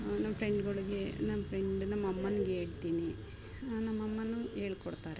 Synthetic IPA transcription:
nɐmpʰɾeɳɖɡoɭuɡenɐmpʰɾeɳɖinɐmɐmːɐnuɡeːɽit̪ːiːni | nɐmːɐmːɐnueːɭikoɽut̪ːaːɾe

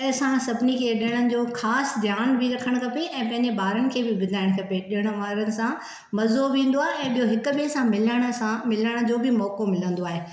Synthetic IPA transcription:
ɐɦsãsɐbnikʰeːɗɪəɽ̃ənɪ̆d͡ʑoːxaːsd̪ʱjaːnbʱɪɾɐkʰəɽ̃kɐpeʔɛ̃ːpɐ̃ɦɪ̃ɲd͡ʑebaːɾənɪ̆kʰeːbɪbɪd̪ʱaːɪɽ̃kɐpeɗɪjəɽ̃ə̆ʋaːɾənɪ̆sã | mɐzoʋĩːn̆d̪oaːɦeɛ̃ːɓijoɦɪkʊbesãmɪləɽ̃əãmɪləɽ̃ə̆d͡ʑoːbʱɪmɔːkomɪlə̃nd̪oaːɦeː

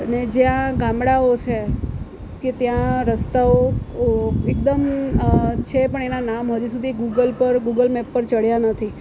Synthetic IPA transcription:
əned͡ʒjãɡãmɽaot͡ʃʰe | ket̪jãɾəst̪ao | ekd̪əm | t͡ʃʰepəɳenanamɦəd͡ʒusud̪ʱiɡuɡəlpəɾɡuɡəlmɛpːəɾt͡ʃəɽjanət̪ʰi

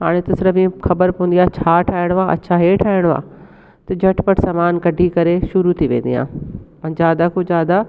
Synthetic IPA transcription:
ɦaːɽ̃et̪ɐsɾəʋĩxɐbəɾpɐʋənd̪ijaːt͡ɕʰaːʈʰaːɪɽ̃ʋãɐ̰tːt͡ɕʰaɦeʈʰaːɪɽ̃ʋa̰ː | t̪ɐd͡ʑʱɐʈʰpɐʈsamaːnkɐɖʱikɐɾeʃʊɾut̪ʰiʋḛ̃ːn̆d̪ḭjã̰ːpɐ̃d͡ʑaːd̪akod͡ʑaːd̪a

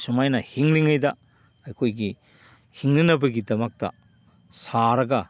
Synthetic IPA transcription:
sumajnɐhiŋliŋɐjdɐ | ɐjkʰojɡi | hiŋnɐnɐbɐɡidɐmɐk̚tɐ̰ | saɾɐɡɐ

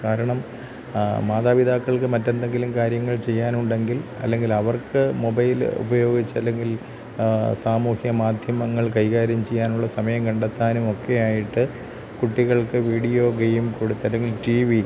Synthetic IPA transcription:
kaːɾɐɳɐm | maːd̪aːʋid̪ʱaːkːɐɭkɨmɐtːe̞nd̪e̞ŋɡilumkaːɾjɐŋːɐɭt͡ɕe̞jːaːnuɳɖe̞ŋɡilɐ̰lːe̞ŋɡilɐʋɐrkɨmo̞bɐjlṵbɐjo̞ːɡit͡ɕːɐlːe̞ŋɡil | saːmuːhjɐmaːd̪ʱjɐmɐŋːɐɭkɐjɣaːɾjɐmt͡ɕe̞jːaːnuɭːɐsɐmɐjɐmkɐɳɖɐt̪ːaːnumo̞kːe̞jaːjiʈːɨ | kuʈːiɣɐɭkɨʋiːɽijo̞ːɡejumkoɽut̪ːɐlːeŋɡilʈiːʋi

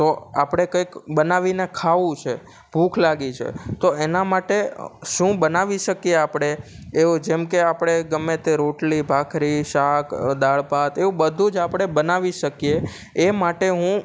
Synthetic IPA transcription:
t̪oa̰pɽ̃ekəjkbənaʋinekʰaʋũt͡ʃʰe | b̥ʱũkʰlaɡit͡ʃʰḛt̪oenamaʈeʃũbənaʋiʃəkieapɽ̃eeud͡ʒemkeapɽ̃eɡəmːet̪eɾoʈlibʱakʰɾiʃakd̪aɭpat̪eũbəd̪ʱũd͡ʒapɽ̃ebənaʋiʃəkijeː | maʈeɦũ

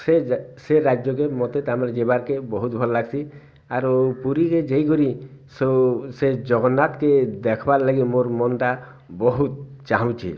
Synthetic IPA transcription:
seseɾad͡ʒjɔkemɔt̪et̪amɾad͡ʒebaɾkebɔɦut̪bʱɔllaɡsʰi | aɾɔpuɾiked͡ʒejkɔɾisosed͡ʒɔɡɔnːat̪ked̪ɛkʰbaɾlaɡimoɾmɔnʈa | bɔɦut̪̚t͡ʃaɦɔ̃t͡ʃʰḭ

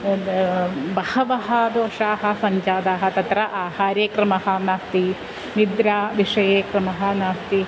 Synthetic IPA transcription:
bɐhɐʋɐɦɐ̆d̪oːʂaːɦɐ̆sɐɲt͡ʃaːd̪aːɦɐ̆t̪ɐt̪ɾɐʔaːhaːɾeːkɾɐmɐɦɐ̆naːst̪i | nid̪ɾaːʋiʂɐjeːkɾɐmɐɦɐ̆naːst̪i

